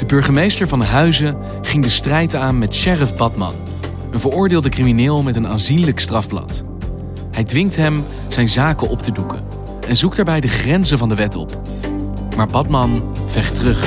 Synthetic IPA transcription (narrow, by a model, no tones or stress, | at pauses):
d̥əbɵɹχəmejstəɹvɑndəɦœɥzə | χɪŋdəstrɛjtaːnmɛtʃɛrəfbɑtmɑ̰n | ənvəɹʊːɹdɪːlˠdəkriminɪːlˠmɛtəna̰ːnzinləkstrɑfplɑ̰t | hɛjdʋɪŋtɦɛm | z̥ɛjnzaːkəʔɔptədukə̰ | ɛnzuk̚daːɹbɛjdəχrɛnzəvɑndəʋɛtɔ̰p | maːɹbɑtmɑnv̥ɛχtərɵχ